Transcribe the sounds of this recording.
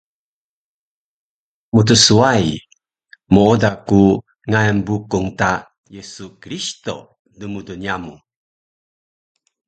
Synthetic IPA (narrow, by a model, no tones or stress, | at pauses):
mutəsuaj | moodaku | ŋajənbukuŋta | jesukɾisto̰ | dəmudunjamu